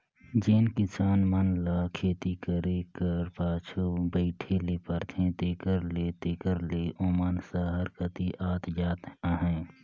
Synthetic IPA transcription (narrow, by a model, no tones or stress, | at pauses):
d͡ʒeːnkɪsaːnmənlaːkʰeːt̪ikəɾekəɾpaːt͡ʃʰubəɪʈʰelepəɾt̪ʰẽt̪eːkəɾlet̪eːkəɾleʔoːmaːnsaɦəɾkət̪iʔaːt̪d͡ʒaːt̪aɦɛ̃ː